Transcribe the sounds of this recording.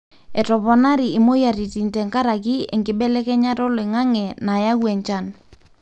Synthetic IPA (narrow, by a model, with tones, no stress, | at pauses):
ɛ˨tɔ˨pɔ˨na˦ɾi˨ɪ˨mo˦ja˨ɾi˨ti˨ntɛ˨ŋka˦ɾa˨ki˦ɛ˨ŋɡɪ˦ɓɛ˦lɛ˦kɛ˦ɲa˦tɔ˦le˨ŋa˦ŋɛ˨na˨ja˦kwɛ˨ɲt͡ʃa˦n